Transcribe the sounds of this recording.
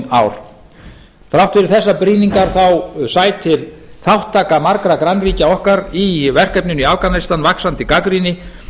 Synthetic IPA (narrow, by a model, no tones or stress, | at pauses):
naːwɾ̥ | fɾawht̪fɪɾɪɾθɛsːapɾiːniŋkaɾ̥θawsaːjt̪ʰɪl | θawht̪ʰːaːkamaɾkɾakɾanriːcaɔhkaɾivɛr̥kɛpnʏniaːwkanast̪anvaksant̪ɪkakɾinɪ